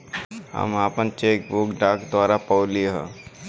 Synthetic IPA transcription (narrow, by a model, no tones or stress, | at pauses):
ɦə̰maːpənt͡ʃeːk̚bʊkɖaːkd̪waːɾapɔːliɦɛ̰̃